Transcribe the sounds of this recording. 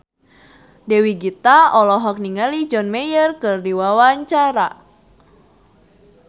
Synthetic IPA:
dɛwiɡit̪aɔlɔɦɔk̚niŋalid͡ʒɔnmɛjərkɨrdiwawaɲt͡ʃaɾa

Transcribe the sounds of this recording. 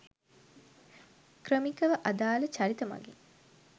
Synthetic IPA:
krəmikəʋəʔad̪aːlət͡ʃaɾit̪əmɐ̰ɡḛŋ

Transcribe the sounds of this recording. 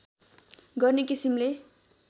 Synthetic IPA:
ɡʌrnekisimle

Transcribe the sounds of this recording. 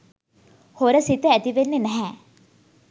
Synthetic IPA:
hoɾəsit̪əæt̪iʋenːenɛɦɛ

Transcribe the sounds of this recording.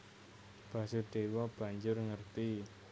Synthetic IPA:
b̥a̤suɖ̪̥ewɔb̥a̤ɲd͡ʒʊrŋərt̪i

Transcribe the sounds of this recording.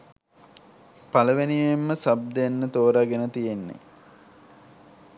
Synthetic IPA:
paləʋeniʋemːəsab̚d̪enːət̪oːɾaɡenət̪ijenːḛ

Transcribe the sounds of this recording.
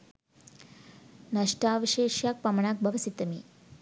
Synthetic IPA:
nɐʃʈaːʋɐʃeːʃjaːk̚pɐmɐɳaːk̚bʱɐʋɐsit̪ːɐmi

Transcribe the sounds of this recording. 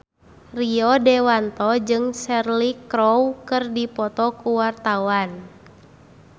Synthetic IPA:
riɔdɛwant̪ɔd͡ʒɨŋsɛrlikɾɔwkɨrdipɔt̪ɔkuwart̪awan

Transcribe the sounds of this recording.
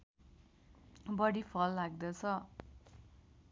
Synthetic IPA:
bʌɽipʰʌlːaɡd̪ʌt͡sʰʌ

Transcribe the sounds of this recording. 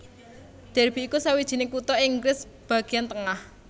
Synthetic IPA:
d̪̥ɛ̤rb̥i̤ikusawid̥ʒ̥i̤nekut̪ɔɪŋɡɾɪs | b̥ä̤ɡ̥i̤jant̪əŋah

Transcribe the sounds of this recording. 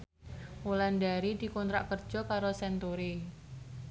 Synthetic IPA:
ʔulandaɾid̪i̤kɔnt̪ɾa̰ʔkərd̥d͡ʒ̥ɔ̤kaɾosɛnt̪oɾe

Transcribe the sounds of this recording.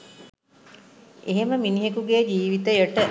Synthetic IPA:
eɦeməminiɦekuɡeːd͡ʒiːʋit̪əjəʈə

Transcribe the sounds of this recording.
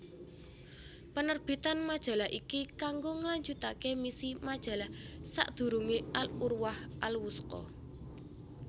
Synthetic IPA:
pənərb̥i̤t̪anmad̥ʒ̥a̤lahʔikikaŋɡoŋəlaɲd͡ʒut̪akemisimad̥ʒ̥a̤lahsa̰ʔd̪̥ṳɾuŋeʔalurwahʔalwuskɔ̰

